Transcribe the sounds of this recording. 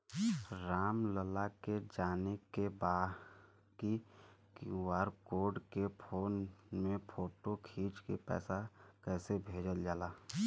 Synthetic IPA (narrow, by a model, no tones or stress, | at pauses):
ɾaːmləlaked͡ʒaːnekːebaː | kikuwaːɾkoːɾɖkepʰoːnmẽpʰoːʈokʰiːt͡ʃkepɛ̰ːsakɛːsebʱeːd͡ʒəld͡ʒaːlaː